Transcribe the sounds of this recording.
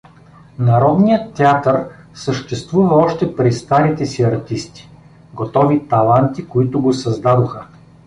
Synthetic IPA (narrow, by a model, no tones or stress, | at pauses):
nɐɾɔd̪nijət̪ːɛat̪əɾ | səʃt̪ɛst̪vuvɐɔʃt̪ɛpɾist̪aɾit̪ɛsiɐɾt̪ist̪i̥ | ɡot̪ɔvit̪ɐlˠant̪ikoit̪ʊɡosɐzd̪ad̪oxə